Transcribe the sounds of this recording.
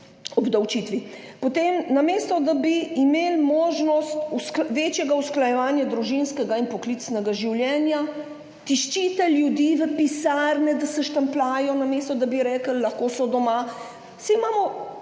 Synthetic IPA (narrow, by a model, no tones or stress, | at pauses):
ɔbd̪ɐwt͡ʃit̪ʋipɔt̪eːmnameːst̪ɔd̪abiːmeːlmoːʒnɔst̪uskʋeːt͡ʃjɛɡausklajɛʋaːnjad̪ɾuʒinskɛɡainpɔklit̪snɛɡaʒiwljɛːnja | t̪iʃt͡ʃit̪ɛljud̪iːʋəpisaːɾnɛd̪asɛʃt̪ɐmplaːjɔnameːst̪ɔd̪abiɾɛːkəlːɐxkoːsɔd̪ɔma | simaːmɔ